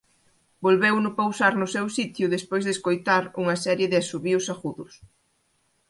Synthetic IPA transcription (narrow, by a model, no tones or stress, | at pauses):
bolβɛwnʊpowsaɾnʊsɛwsit̪jʊðespojzðeskojt̪aɾuŋɐsɛɾjeðɪasuβiʊsaɣuðʊs